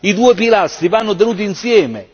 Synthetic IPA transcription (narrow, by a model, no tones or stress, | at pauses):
id̪uːepilast̪ɾivanːʊt̪̬enuːt̪̬iːnsjɛːme